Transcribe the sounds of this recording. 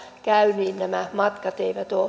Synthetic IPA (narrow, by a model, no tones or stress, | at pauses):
kæyniːnnæmæmɑt̪kɑt̪eimæt̪o